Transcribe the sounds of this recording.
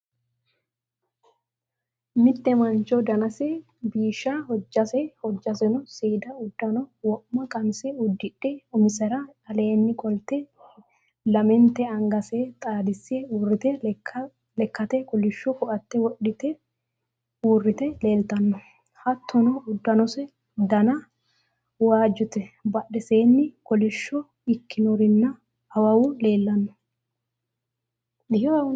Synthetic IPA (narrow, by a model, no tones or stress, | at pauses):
mɪt̪ːɛmɐnt͡ʃɔd̪ɐnɐsɛ | biːʃahɔd͡ʒːɐsɛhɔd͡ʒːɐsɛnɔseːd̪ɐʊd̪ːɐnɔwɔʔmːɐkʼɐnsɛʊd̪ːɪᶑːɛʊmɪsɛɾɐɐle̞ːnːɪkʼɔlt̪ɛ | lɐmɛnt̪ɛɐŋɡɐset̪ʼaːd̪ɪsːeuːrɪt̪ɛ | lɛkːɐt̪ɛkʼɔlɪʃːɔkɔʔɐt̪ːɛwɔɗɪt̪ɛ | uːrːɪt̪ɛle̞ːlt̪ɐnːɔ | hɐt̪ʰːɔnɔʊd̪ːɐnɔsɛ | d̪ɐnɐ | waːd͡ʒɔt̪ɛbɐɗːɛse̞ːnːɪkʼɔlɪʃːɔ | ɪkːɪnɔɾɪnːɐː | wɐwʊle̞ːlːɐnːɔ̥ | jɔ